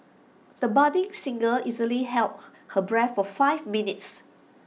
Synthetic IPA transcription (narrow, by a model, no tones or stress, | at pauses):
d̥̪əbadĩŋsĩŋɡəlizəliɦɛlp̚həbɹɛtfɔfaɪvminits